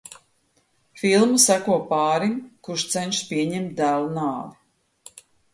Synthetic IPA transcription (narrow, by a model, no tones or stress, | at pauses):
filˠmusækuɔpaːɾimkuʃt̪sɛnʃpiɛɲɛmt̪̚d̪æːlˠunaːvi